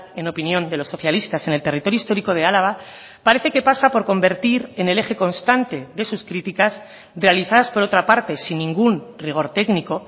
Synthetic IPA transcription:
e̞no̞pinjõ̞nd̪e̞lo̞sːo̞θjalist̪ase̞nelt̪e̞rit̪o̞ɾjoist̪o̞ɾiko̞ð̞e̞alaβ̞a | paɾe̞θe̞ke̞pasapo̞ɾko̞mbe̞ɾt̪iɾe̞ne̞le̞xe̞ko̞nst̪ant̪e̞ðe̞suskɾit̪ikas | re̞aliθaðaspo̞ɾo̞t̪ɾapaɾt̪e̞sinːĩŋɡunriɣ̞o̞ɾt̪e̞kniko̞

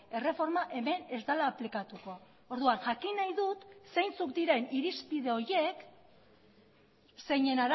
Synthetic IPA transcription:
e̞re̞fo̞ɾmaʔe̞me̞ne̞zd̪alaːplikat̪uko̞ | oɾðuanʝakinajðut̪se̞jnt͡sukd̪iɾe̞niɾispiðe̞o̞ɾje̞k | se̞jɲe̞naɾ

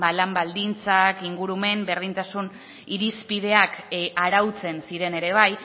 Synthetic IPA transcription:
balambald̪int͡sakiŋɡuɾume̞mbe̞ɾðint̪asun | iɾispið̞e̞akʔaɾawt͡se̞nsiɾe̞ne̞ɾe̞β̞aj

